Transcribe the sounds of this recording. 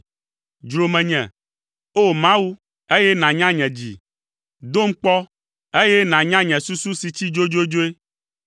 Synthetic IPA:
d͡ʒɾo˨mɛ̃˨ɲɛ̰̃˨ | o˦mã˦wu˦ | e˦jɛ˦nã˨ɲã˦ɲɛ̃˨d͡ʑḭ˨ | d̪o˦m̩˦k͡pɔ˦ | e˦jɛ˦nã˨ɲã˦ɲɛ̃˨su˦su˦si˨t͡ɕi˦d͡ʒo˦d͡ʒo˦d͡ʒo˦e˦

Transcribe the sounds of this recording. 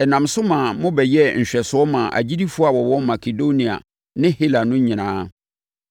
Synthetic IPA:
ɛ˨nã˨msʊ˦mã˨mʊ̃˦bɛ˨jɛ˦ɲ̩˨ɕᶣɛ˨sʊ˨˦ɔ˦mã˨ʔa̰˨d͡ʑi˦di˦fʊ˦a˨wɔ˨wɔ̃˦ma˨kʰe˨do˦nĩ˨a̰˨ | nɪ̃˦hi˦la˨nʊ̃˦ɲɪ̃˨nãː˦

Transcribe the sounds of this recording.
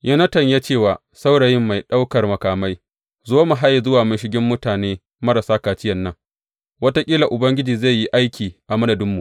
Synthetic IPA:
jɐ˦nɐ˦tɐ˨ɲja˦t͡ʃeː˦˨waː˨ | sa˦wɽɐ˨jɪ˦mːa˨jɗa˦wkɐ˨rmɐ˨kaː˨ma˦j | zoː˦ma˨ɦa˦ja˨zʊ˦waː˨mʊ˦nʃ̬ɪ˦ɡʲɪ˦mːʊ˦taː˨neː˦ | mɐ˦ɾa˨saː˦kaː˨t͡ʃɪ˦jɐ˨nːɐ˦ŋ | wɐ˦ta˦kʲʼiː˦la˨ʔʊ˨bɐ˦ŋɡʲɪ˦d͡ʒiː˨za˦˨jːi˦ʔa˦jkʲʰiː˨ʔa˨mɐ˦dɐ˨dɪ˦mːu˨ʔ

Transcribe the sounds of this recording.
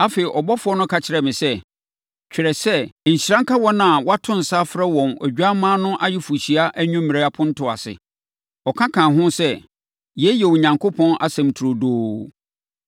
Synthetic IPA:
a˦fe˨i˨ʔɔ˨bɔ˦fʊ˦ɔ˦nʊ̃˦kʰa˨t͡ɕʰɪ˦ɾɛ˨mɪ̃˨sɛ˦˨ | t͡ɕᶣɪ˨ɾɛ˨sɛ˦˨ɲ̩˨ɕiɾã˦ŋ˦kʰa˦wɔ˦nã˨wɔ˦a˦tʰʊ̃˦n̩˨sa˦fɾɛ˦wɔ̃˨næ̰˨d͡ʑᶣa˦mãː˦nʊ̃˦ʔa˦jɪ˦fu˨ɕi˨a˦ʔæ˦ɲᶣʊ̃˦m˦mĩ˨ɾe˦a˦pʰʊ̃˦n̩˦tʰʊ˨a̰˨sɪ̰˨ | ɔ˨kʰã˦kʰãː˨ɦʊ̃˦sɛ˦˨ | jɛ˨˦jɛ˨wu˨ɲã˨ŋkʰo˦pʰɔ̃˦na̰˨sɛ̃˨m˨tʰu˨ɾo˨doː˦

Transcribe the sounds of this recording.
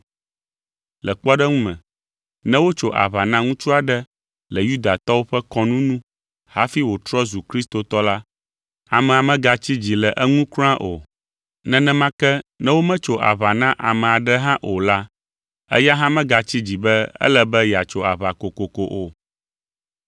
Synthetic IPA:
lɛ˨k͡pɔ˦ɖɛ˦ŋũ˦mɛ̰̃˨ | nɛ̃˦wo˦t͡ʃo˨ʔa̰˨βa˨nã˦ŋũ˦t͡ʃu˦a˨ɖɛ˦ | lɛ˨ju˦d̪a˨t̪ɔ˦wo˦ɸɛ˦kɔ˦nũ˦nũ˦ | ha̰˦fi˦wo˨t̪ɾɔ˦zu˨kɾi˦st̪o˨t̪ɔ˦la˦ | a̰˨mɛ̃˨a˨mɛ̃˦ɡa˨t͡ɕi˦d͡ʑi˨lɛ˨ʔɛ˦ŋũ˦kl̃ã˦ʔo˨ | nɛ̃˦nɛ̃˦mã˦kɛ˦nɛ̃˦wo˦mɛ̃˦t͡ʃo˨ʔa̰˨βa˨nã˦ʔa˨mɛ̃˨a˨ɖɛ˦ɦã˦ʔo˨la˦ | ɛ̰˦ja˦ɦã˦mɛ̃˦ɡa˨t͡ɕi˦d͡ʑi˨bɛ˦ɛ̰˦lɛ˦bɛ˦ja˨t͡ʃo˨a˨βa˨ko˨ko˨ko˨ʔo˨

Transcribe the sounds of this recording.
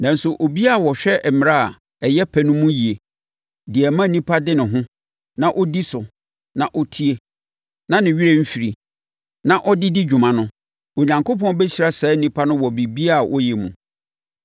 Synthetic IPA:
nã˨n̩˦sʊ˨ʔo˨bi˦a˦˨wɔ˨ɕᶣɛ˦ʔɛ˨mɪ̃˨ɾa˦˨ | ɛ˨jɛ˦pʰɛ˨nʊ̃˦mũ˦ji˨e˨ | dɪ˨ɛ˨mã˦˨nĩ˦pʰa˦dɪ˦nɪ̃˨ɦʊ̃˦ | nã˨ʔɔ˦di˦sʊ˨ | nã˨ʔɔ˦tʰi˦e˦ | nã˦nɪ̃˨ɥi˦ɾe˦m̩˦fi˨ɾi˨ | nã˨ʔɔ˦dɪ˦dɪ˦d͡ʑᶣu˨mã˨nʊ̃˦ | o˨ɲã˨ŋkʰo˦pʰɔ̃˦n˦bɛ˦t͡ɕi˨ɾa˦sɛ˦n̩˦nĩ˦pʰa˦nʊ̃˦wɔ˨bi˨bi˦a˦˨wʔɔ̰˦jɛ˨mũ˨

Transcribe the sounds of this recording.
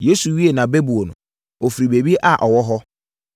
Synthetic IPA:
je˦su˨ɥi˦e˨nã˨be˦bu˨o˨nʊ̰̃˨ | o˨fi˨ɾi˨be˨bi˦e˦ʔa˨ʔɔ˨wɔ˦ɦɔ˦

